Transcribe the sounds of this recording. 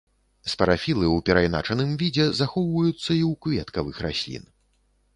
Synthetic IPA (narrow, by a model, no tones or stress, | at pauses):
spɐɾafʲilˠɨwpʲɛɾajna̰t͡ʂɐnɨmvʲid͡zʲɛzaxɔwvɐjut̪sːɐiwkvʲɛt̪kɐvɨxrasʲlʲḭn